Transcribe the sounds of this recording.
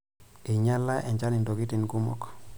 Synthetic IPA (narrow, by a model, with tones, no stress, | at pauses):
i˨ɲa˦lːa˦ʔɛ˨ɲt͡ʃa˦ni˨ndo˨ɡi˦ti˨nku˦mɔ̰˦k